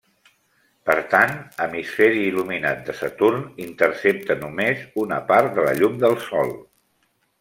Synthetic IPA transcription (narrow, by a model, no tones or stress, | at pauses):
pəɾt̪anəmisfɛɾiːluminat̪̚d̪əsət̪urnint̪əɾsep̚t̪ənumezunəpart̪d̪ələ̰ʎumd̪əlˠsɔlˠ